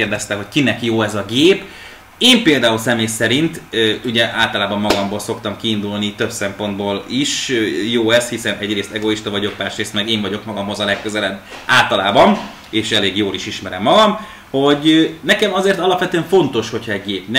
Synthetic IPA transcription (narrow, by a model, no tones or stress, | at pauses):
eːrd̪ɛst̪ɛɦo̞ckinɛkjoːɛzɒɡeːp | eːmpeːld̪aːulsɛmeːjsɛɾint̪uɟɛʔaːlt̪ɒlaːbɒmːɒɡɒmbolso̞kt̪ɒmkiːnd̪ulnit̪øbsɛmpo̞nd̪boːliʃjoːɛshisɛnɛɟreːst̪ɛɡo̞iʃt̪ɒvɒɟo̞kmaːrʃreːst̪mɛɡeːɱvɒɟo̞kmɒɡɒmɦo̞zɒlɛkːøzɛlɛbːaːlt̪ɒlaːbɒm | eːʃɛleːɡjoːliʃiʃmɛɾɛmːɒɡɒm | ho̞ɟnɛkɛmɒzeːrt̪ɒlɒpʋɛt̪yøɛɱfo̞nt̪o̞ʃho̞cʰhɒɛɟɡeːpn